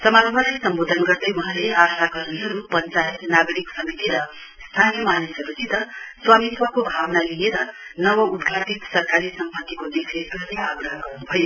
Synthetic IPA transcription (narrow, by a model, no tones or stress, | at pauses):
sʌmalmʌɾasʌmbod̪ʱʌnɡʌrd̪ʌjuɦãleasaɡʌrniɦʌɾupʌnt͡saenaɡʌɾiksʌmit̪iɾʌ | st̪ʰanijʌmanisʌɾusid̪ʌswamiswʌkobʱawnalijeɾʌnʌwʌud̪ɡʱaʈit̪sʌrkaɾisʌmpʌt̪ːikod̪ikʰesɡʌrneaɡrɾʌɦʌɡʌrnubʱʌjo